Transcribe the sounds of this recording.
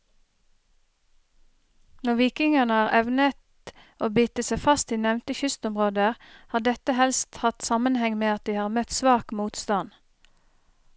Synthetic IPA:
nɔʋiːkɪŋənəɑːʁɛʋnət̪ | ʔoːbyt̪əsæɪfɑst̪iːnɛʋnt̪əçʏst̪ɔmʁoːd̪əhɑːd̪ɛt̪əhɛlst̪hɑt̪sɑmənhɛŋmeːɑt̪̚d̪iːhɑːʁmœt̪sʋɑːkmuːt̪st̪ɑn

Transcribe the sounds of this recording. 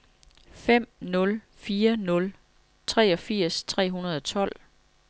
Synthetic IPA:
fem̰nɔ̽l | fiːɐnɔ̽l | t͡sʰʁɛ̰ːɒ̽fiɐ̰st͡sʰʁɛ̰ːɦunɐð̞ˠɒ̽t͡sʰɒ̽l̰

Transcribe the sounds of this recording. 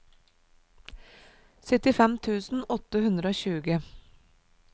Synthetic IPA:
sœt̪ɪfɛmt̪ʰʉːsn̩ɔt̪əhʉnd̪ɾəoːçʉːɡə

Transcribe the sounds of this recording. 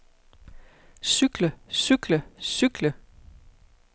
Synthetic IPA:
syɡ̥ləsyɡ̥ləsyɡ̥lə

